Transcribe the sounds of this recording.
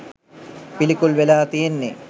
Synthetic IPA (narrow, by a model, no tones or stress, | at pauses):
pilikulʋelaːt̪ijenːe